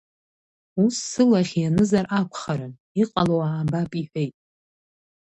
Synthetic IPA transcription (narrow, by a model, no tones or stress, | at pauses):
usːɨlaχʲjanɨzarʔakʷʰχaɾɨn | iqʼalowaːbapʼiħʷᶣejtʼ